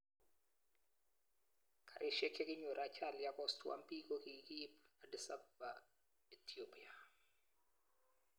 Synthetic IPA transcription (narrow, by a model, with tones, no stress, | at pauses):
kʰa˨ɾʔɪ˦ʃɛ˦kʰe˦kɪ˦ɲo˨ɾa˨t͡ʃa˦˨lja˦kɔ˦stwa̰˦mpi˦ko˦ki˨ki˦pa˨dɪ˨sa˦ba | ɛ˨tʰiopi˦a˨